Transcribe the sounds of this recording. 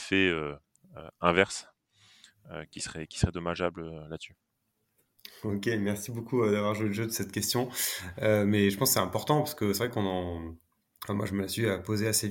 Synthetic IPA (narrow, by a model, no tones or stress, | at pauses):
fɛø | ø̰ɛ̃vɛʁs | ø̰kʲisəʁɛkʲi̥səʁɛd̪ɔmaʒabllat̪sy | okʲemɛʁsibokuəd̪avwaʁʒueləʒød̪əsɛt̪kʲɛst̪jɔ̃ømɛʒəpɑ̃skəsɛɛ̃pɔʁt̪ɑ̃paʁsə̥kəsɛvʁɛkɔ̃nɑ̃ | fɛ̃mwaʒəməasyapozeasev